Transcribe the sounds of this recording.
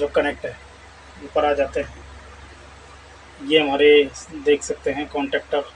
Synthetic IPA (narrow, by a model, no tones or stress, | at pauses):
d͡ʒoːkɐneːk̚ʈɦɛː | opɐɾad͡ʒaːt̪eɦɛ̃ | jeɦɐmaːɾed̪eːkʰsɐk̚t̪eɦɛ̃kɔ̃ːɳʈɛːk̚ʈəɾ